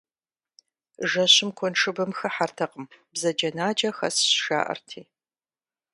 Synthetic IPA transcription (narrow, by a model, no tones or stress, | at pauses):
ʒɐɕɪmkʷʰɔnʈ͡ʂʰɨbɨmxɨħartʰɐqəmbzɐd͡ʒɐnaːd͡ʒɐxɐ̰sʃa̰ːʔɐ̰rtʰiː